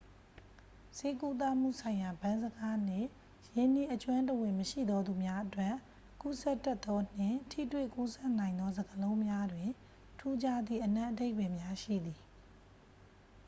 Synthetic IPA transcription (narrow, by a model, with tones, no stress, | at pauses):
se˦ku˦t̪̬a˦˨m̥ṵ˦˨sʰã˨ɪ̃ja˨bã˦nzəɡa˦n̥ɪ̰̃˦˨ | je˨ni˦ʔət͡ɕwã˦nt̬əwɪ̃˨məʃḭ˦˨d̪ɔ˦d̪u˨mja˦ʔətwɛ˦˨ | ku˦sɛ˦˨tːɛ˦t̪ːɔ˦n̥ɪ̰̃˦˨tʰḭ˦˨twḛ˦˨ku˦sɛ˦ʔnã˨ɪ̃nd̪ɔ˦zə˨ɡəlõ˦ʊ̃mja˦dwɪ̃˨ | tʰu˦d͡ʑa˦d̪ḭ˦˨ʔənã˦ʔəde˦ɪpɛ˨mja˦ʃḭ˦˨d̪i˨